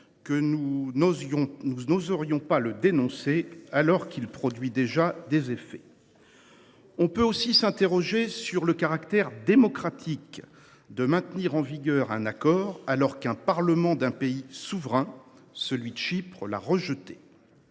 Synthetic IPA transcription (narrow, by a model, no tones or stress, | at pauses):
kənũ | nunozəʁjɔ̃paləd̪enɔ̃sealɔʁkilpχɔd̪ɥid̪eʒad̪ezefɛ̥ | ɔ̃pøosisɛ̃t̪eʁɔʒesyʁləkaʁakt̪ɛʁd̪emɔkχat̪ʰik | d̪əmɛ̃t̪niʁɑ̃viɡʲœʁɛ̰̃nakɔːʁalɔʁkɛ̃paʁləmɑ̃d̪ɛ̃peisuvʁɛ̃ | səlɥid̪əʃipχəla̰ʁəʒət̪e